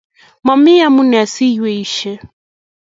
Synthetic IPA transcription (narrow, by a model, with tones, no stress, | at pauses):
ma˨mi˦a˦mu˦nɛ˨a˨si˦jwɛ˨i˦ʃɛ˦